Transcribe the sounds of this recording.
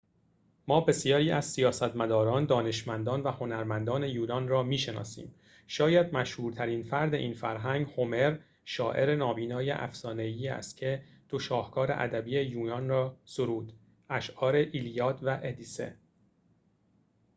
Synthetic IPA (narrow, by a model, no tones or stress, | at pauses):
mɒːbe̞sijɒːɾiːæz̥sijɒːsæt̪mæd̪ɒːɾɒːnd̪ɒːne̞ʃmænd̪ɒːnvæho̞næɾmænd̪ɒːne̞juːnɒːnrɒːmiːʃenɒ̰ːsḭːm | ʃɒːjæd̪mæʃhuːɾt̪ʰæɾinfæɾd̪e̞ʔiːnfæɾɦæŋɡho̞me̞ɾ | ʃɒːʔe̞̰ɾe̞nɒːbiːnɒːjḛʔæ̰fsɒːne̞iːæ̰st̪cʰe̞ | d̪̥oʃɒːhkʰɒːɾḛʔæ̰d̪æbiːejuːnɒːnrɒːsoɾuːd̪̥ | ʔæʃʔɒːɾe̞ʔilijɒːt̪ʰvæʔed̪iːse̞̰